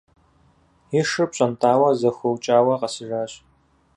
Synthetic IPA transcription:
ɪʂɨpɕʼɐntʰʼaːwɐzɐxʷɐwt͡ʃʼaːwɐqɐsɨʒaːɕ

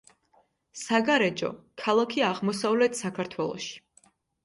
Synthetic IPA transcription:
saɡaɾɛd͡ʒɔ̰kʰalˠakʰiaʁmɔsavlɛt̪ʰsakʰaɾt̪ʰwɛlˠɔ̰ʃi̥

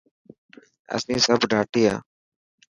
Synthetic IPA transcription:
ə̰sĩːsəbɖʱaːʈiːa̰ː

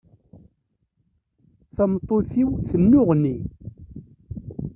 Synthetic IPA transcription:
θɑmt̪ˤːoθiwθənːʊʁnːi

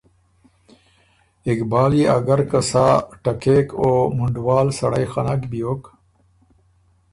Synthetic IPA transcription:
ikbaːliɐɡɐɾkasaːʈɐkeːkoːmuɳɖwaːlsɐɽajxanakbijoːk

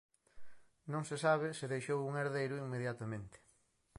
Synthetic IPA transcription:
nõŋsɪsaβ̞ɪsɪðejʃowuŋeɾðejɾʊiŋmeðjat̪ɐmẽnt̪ɪ̥

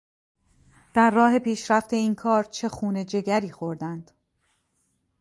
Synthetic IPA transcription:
d̪̥æɾːɒːɦe̞piːʃɾæft̪e̞iːnkʰɒːɾt͡ʃʰe̞xuːne̞d͡ʒe̞ɡæɾiːxo̞ɾd̪ænd̪̥

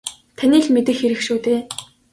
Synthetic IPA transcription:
t̪ʰaniːɮmet̪ɘ̆xeɾɘ̆xʃuːt̪eː

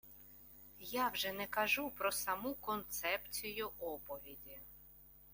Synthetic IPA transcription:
jawʒɛnɛkɐʒupɾɔsɐmukɔnt̪sɛpt͡sʲijʊʔɔpɔʋʲid̪ʲi

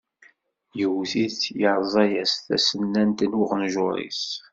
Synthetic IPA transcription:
jəwθiθjəɾˤzˤɑjæsθæ̰sənːænt̪ənəʁnʒʊɾˤḭs

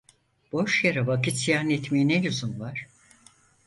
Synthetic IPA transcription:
b̥o̞ʃjaɾavakit̪sijaːnɛt̪meinɛluzumvaɾ̥

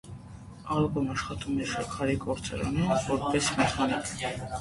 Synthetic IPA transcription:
ɑlkɔnɑʃχɑt̪ʼumɛʃɑkʰɑɾikʼɔɾt͡sʰʼɛ̰ɾɑ̰nɛnvɔɾpʼɛsmɛt̪ʰɑnɛ

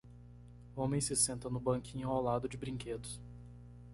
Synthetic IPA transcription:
õmẽj̃sɪsẽnt̪ɐnʊbɐ̃ŋkĩɲʊawlad̪ʊd͡ʒɪbɾĩŋked̪ʊs

